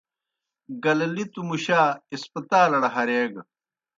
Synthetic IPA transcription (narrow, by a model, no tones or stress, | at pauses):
ɡɐlɐlit̪umuɕaːispɐt̪aːlɐɽɐɦɐɾeːɡɐ